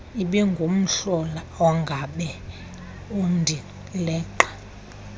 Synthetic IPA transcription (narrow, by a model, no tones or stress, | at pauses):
iɓɛŋɡʱom̩ɬɔla | ɔŋɡʱaɓɛ | um̩dʱi | lɛːǃḁ